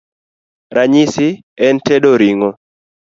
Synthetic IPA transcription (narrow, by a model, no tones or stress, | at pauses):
ɾʔaɲisɪ | ɛntɛdoɾiŋɔ